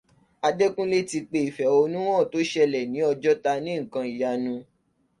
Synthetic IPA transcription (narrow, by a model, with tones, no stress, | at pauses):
a˧de˦kũ˦le˦ti˧k͡pe˧i˨fɛ˨˦o˧nũ˦w̃ɔ̃˦˨to˨˦ʃɛ˧lɛ˨nĩ˨˦ɔ˧d͡ʒɔ˦ta˧nĩ˦ŋ̩˨kã˧i˨ja˧nũ˧